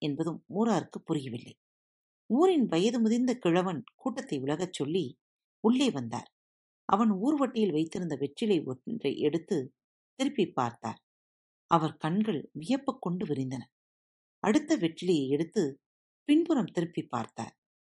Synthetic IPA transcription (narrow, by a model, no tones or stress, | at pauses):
ɛnbɐðɯmːuːɾaːɾɯkːɯpːʊɾɪjɐʋɪlːɐ̰ɪ | uːɾɪnʋɐjɐðɯmʊðɪɾnd̪ɐkɪɻɐʋɐnkuːʈːɐt̪ːɐɪʊɭɐɣɐt͡ʃːɔɭːi | ʊɭːɐɪʋɐnd̪a̰ːɾ | ʔɐ̰ʋɐnuːɾʋɐʈːɪjɪlʋɐɪt̪ːɪɾɯnd̪ɐʋɛʈrɪlɐɪɔ̰drɐ̰ɪʔɛɽɯt̪ːɯ | t̪ɪɾɯpːipːa̰ːɾt̪a̰ːɾ | ɐʋɐɾkɐɳɡɐɭʋɪjɐpːɐkːɔɳɖɯʋɪɾɪnd̪ɐnɐ | ɐɽɯt̪ːɐʋɛʈrɪlɐjɐɪɛɽɯt̪ːɯ | pɪɳbɯɾɐmt̪ɪɾɯpːipːa̰ːɾt̪a̰ːɾ